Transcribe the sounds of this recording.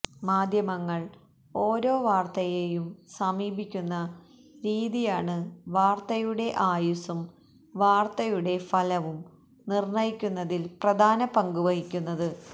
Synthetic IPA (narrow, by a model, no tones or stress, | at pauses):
maːd̪ʱjɐmɐŋːɐɭ | o̞ːɾo̞ːʋaːrt̪ɐjejumsɐmiːbʱikʲːunːɐ | ɾiːðijaːɳɨʋaːrt̪ɐjuɽe̞ʔaːjusɐm | ʋaːrt̪ɐjuɽe̞fɐlɐʋum | nirɳɐjikʲːunːɐðilprɐd̪ʱaːnɐpɐŋɡuʋɐɦikʲːunːɐðɨ